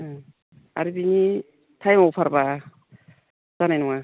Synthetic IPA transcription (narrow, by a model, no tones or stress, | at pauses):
a̰ɾibiŋi | tʰajmawpʰaɾba | z̥anajnuŋa